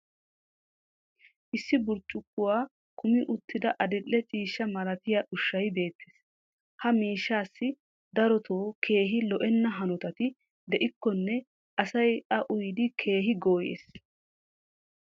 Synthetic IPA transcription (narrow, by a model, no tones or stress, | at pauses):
ʔɪsːɪbʊɾt͡ʃʼːʊkːʊwaː | kʊmɪʔʊt̪ʰːɪd̪ɐʔɐd̪ɛlːɛt͡ʃʼiːʃːɐmɐɾɐt̪ɪjɐʔʊʃːɐjbe̞ːt̪ʰːeːs | hɐmiːʃːaːsːɪ | d̪ɐɾɔt̪ʰoːkʰe̞ːɦɪlɔʔɛnːɐɦɐnʊt̪ɐt̪ɪ | d̪ɛʔɪkːɔnːɛ | ʔɐsɐjɐʔʊjd̪ɪkʰe̞ːɦɪɡoːjḛːs